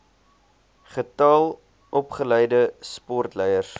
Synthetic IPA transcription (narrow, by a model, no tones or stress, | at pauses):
χətɐlˠ | ʔɔpχəlɛjdəspɔrtlɛjərs